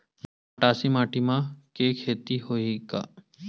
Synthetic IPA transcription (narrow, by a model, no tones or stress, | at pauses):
m | ɐʈaːsimaːʈʰimãkekʰeːt̪ihoika̰ː